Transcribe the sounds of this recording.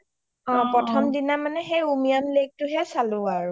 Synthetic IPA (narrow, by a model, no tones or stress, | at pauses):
ɔ̃pɹɔtʰɔmdinamanɛxejumianlek̚tʊɦɛsalʊ̃aɹu